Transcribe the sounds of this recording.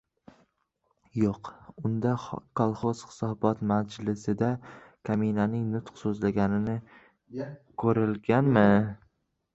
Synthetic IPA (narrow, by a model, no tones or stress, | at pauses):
joqʊnd̪akʰɒlˠχoz̥χɪ̥sɒbɒt̪mad͡ʒlɪsɪd̪akʰaminanɪŋnʊt̪qsɵzlaɡʲanɪnɪ | kʰɵɾɪlɡʲanmɪ